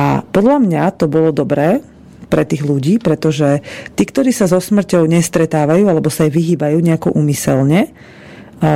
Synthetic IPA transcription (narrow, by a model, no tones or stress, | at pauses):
a̰pɔd̪ʎamɲat̪ɔbɔlɔd̪ɔbɾɛː | pɾɛt̪iːɣluɟiːpɾɛt̪ɔʒɛt̪iːkt̪ɔɾiːsazɔsmr̩cɔʊɲɛst̪ɾɛt̪aːʋajuːalɛbɔsajʋiɦiːbajuːɲɛakɔʔuːmisɛ̰lɲɛ